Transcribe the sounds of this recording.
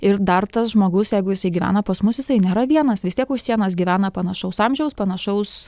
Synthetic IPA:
ɪɾd̪ɐrt̪ɐsʒmoːɡʊsjɛɪɡʊjɪsɐɪɡʲiʋʲæ̰ːnɐpɐsmʊsjɪsɐɪnʲeːɾɐʋʲiɛnɐsʋʲɪst̪iɛkʊʃʲsʲiɛnɐs̬ɡʲiʋʲæːnɐpɐnɐʃɐʊsɑːmʲʒʲɛʊspɐnɐʃɐʊs

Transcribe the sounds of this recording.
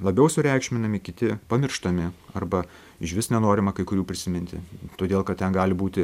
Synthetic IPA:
lˠɐbʲɛʊsʊɾʲɛɪkʃʲmʲɪnɐmʲɪkʲɪt̪ʲɪpɐmʲɪrʃt̪ɐmʲɪɐrbɐ | ɪʃʲʋʲɪsnʲɛnoːɾʲɪmɐkɐɪkʊɾʲuːpʲɾʲɪsʲɪmʲɪnʲt̪ʲɪ̰t̪oːd̪ʲeːlˠkɐt̪ʲtʲɛnɡɑːlʲɪbuːt̪ʲɪ

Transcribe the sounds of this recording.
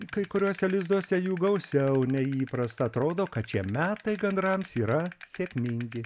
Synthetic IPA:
kɐɪkʊɾʲuːsʲɛlʲɪzd̪uɔsʲɛjuːɡɐʊsʲɛʊnʲɛiːpɾɐst̪ɐɐt̪ɾoːd̪oːkɐt̪̚t͡ʃʲiɛmʲæːt̪ɐɪɡɐnd̪ɾɐmsiːɾɐsʲeːkʲmʲɪŋʲɡʲɪ

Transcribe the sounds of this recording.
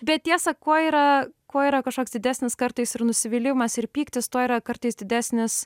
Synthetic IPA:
bʲɛt̪̚t̪ʲiɛsɐkoɔiːɾɐkoɔiːɾɐkɐʃkoːkʲsd̪ʲɪd̪ʲæːsʲnʲɪskɐɾt̪ɐɪsɪrnʊsʲɪʋʲiːlʲɪʋmɐsɪɾpʲiːkt̪ʲɪst̪oɔiːɾɐkɐɾt̪ɐɪsd̪ʲɪd̪ʲæːsʲnʲɪs

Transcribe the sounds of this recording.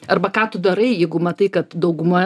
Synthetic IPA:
ɐrbɐkaːt̪ʊd̪ɐɾɐɪjɛɪɡʊmɐt̪ɐɪkɐt̪d̪ɐʊɡʊmoː

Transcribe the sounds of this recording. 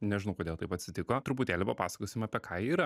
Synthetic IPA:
nʲɛʒʲɪnɐʊkoːd̪ʲeːlˠt̪ɐɪpɐt̪ʲsʲɪt̪ʲɪkoːt̪ɾʊpʊt̪ʲeːlʲɪpɐpɑ̰ːsɐ̥koːsʲɪmɐːpʲɛkʰɑːiːɾɐ

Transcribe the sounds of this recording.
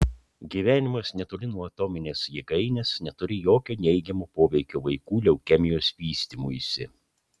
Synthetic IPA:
ɡʲiːʋʲæːnʲɪmɐsnʲɛt̪olʲɪnuɔɐt̪ɔmʲɪnʲeːsjiɡɐɪnʲɛsnʲɛt̪ʊɾʲɪjoːkʲoːnʲɛɪɡʲɛmoːpoːʋʲɛɪkʲoːʋɐɪkuːlʲɛʊkʲɛmʲɪjoːsʋʲiːsʲt̪ʲimuːisʲɪ̰

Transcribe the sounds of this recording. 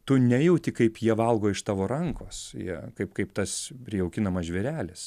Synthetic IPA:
t̪ʊnʲɛjɛʊt̪ʲɪkɐɪpjiɛʋɐlˠɡoːɪʃt̪ɑːʋoːɾɐŋkoːsjḭɛkɐɪpkɐɪpt̪ɐspʲɾʲɪjɛʊkʲɪnɐmɐsʒʲʋʲɛɾʲæːlʲɪs

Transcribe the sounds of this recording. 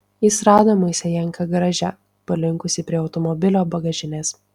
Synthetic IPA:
iːˑsɾɑːd̪omɐɪsʲɛjɛŋˑkɐɡɾɐʒʲɛ | pɐlʲɪŋkʊsʲɪpʲɾʲiɛɒʊt̪ɔmɔbʲɪlʲoːbɐɡɐʒʲɪnʲeːs

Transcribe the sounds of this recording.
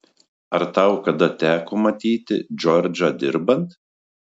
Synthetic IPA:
ɐɾt̪ɐˑʊkɐd̪ɐt̪ʲæːkoːmɐt̪ʲiːt̪ʲɪ̰d͡ʒʲɔɾʲd͡ʒʲɐd̪ʲɪɾbɐnt̪

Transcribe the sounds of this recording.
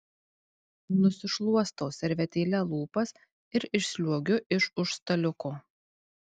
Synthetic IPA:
nʊsʲɪʃlˠuɔst̪oːsʲɛɾʲʋʲɛt̪ʲeːlʲɛlˠuːpɐs | ɪɾɪʃʲsʲlʲuɔɡʲʊʔɪʃʊʃst̪ɐlʲʊkoː

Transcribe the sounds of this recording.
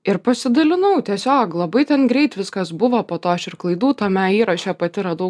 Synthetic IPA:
ɪɾpɐsʲɪd̪ɐlʲɪnɐʊt̪ʲiɛsʲoːklˠɐbɐɪt̪ʲɛnɡɾʲɛɪt̪ʋʲɪskɐsbʊʋɐpoːt̪oːɐʃɪrklˠɐɪd̪uːt̪ɐmʲɛiːɾɐʃʲɛpɐt̪ʲɪɾɐd̪ɐʊ

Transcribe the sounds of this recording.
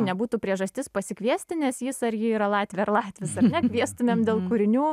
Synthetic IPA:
nʲɛbuːt̪uːpʲɾʲiɛʒɐsʲt̪ʲɪspɐsʲɪkʲʋʲiɛsʲt̪ʲɪnʲɛsjɪsɐɾjiiːɾɐlˠɑːt̪ʲʋʲɛɐrlˠɑːt̪ʲʋʲɪsɐɾnʲnʲɛkʲʋʲiɛst̪ʊmʲeːmd̪ʲeːlˠkʊɾʲɪnʲuː

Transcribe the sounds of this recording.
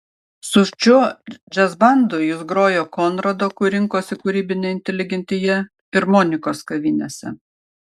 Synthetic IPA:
sʊʃʲt͡ʃʲʊd͡ʒʲɛzbɐˑnd̪ʊjʊsɡɾoːjoːkoːnɾɐd̪oːkʊɾʲɪŋkoːsʲɪkʊɾʲiːbʲɪnʲɛɪnʲt̪ʲɛlʲɪɡʲɛnʲt̪ʲɪjɛ | ɪɾmoːnʲɪkoːskɐʋʲiːnʲesʲɛ̰

